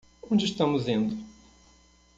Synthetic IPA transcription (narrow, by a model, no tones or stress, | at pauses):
õnd͡ʒɪiʃt̪ɐ̃mʊzẽnd̪ʊ